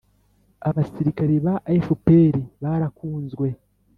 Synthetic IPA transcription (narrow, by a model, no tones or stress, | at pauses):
aβasiɾikaɾeβaʔaifupeɾiβaɾakuːnzɡwe̞